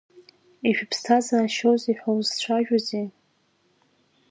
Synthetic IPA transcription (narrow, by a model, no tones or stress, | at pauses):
iʃᶣpʰstʰazaːʃowzeħᶣawzt͡ɕʷʰaʒᶣaze